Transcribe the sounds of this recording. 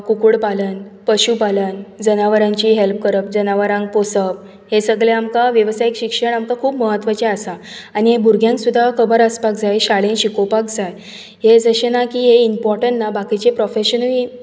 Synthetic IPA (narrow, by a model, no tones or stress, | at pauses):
kukuɽpalənpəɕupalənd͡zənaʋəɾãɲt͡ɕiːɦelp̚kəɾəp̚d͡zənaʋəɾãŋɡposəp̚ | hesəɡleamkaʋjəʋsajikɕikʂəɳamkakʰuːpməɦət̪ːʋət͡ɕeəsa | aniɦebuɾɡjãŋksud̪ʱːakʰəbəɾəspak̚d͡zajɕaɭenɕikopak̚d͡zaj | ɦed͡zəɕenakiːɦeimpɔɾʈəɳʈːabakit͡ɕepɾɔfeɕənli